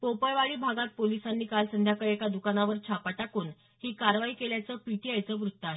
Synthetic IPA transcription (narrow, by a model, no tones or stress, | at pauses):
popəjʋaɭiːbʱaɡat̪̚polisanːiːkalsənd̪ʱjakəɾekad̪ukanaʋəɾt͡ɕʰapaʈakuːn | hiːkaɾʋaiːkeljat͡səːpiʈ̪iajt͡səʋɾut̪ːaɦe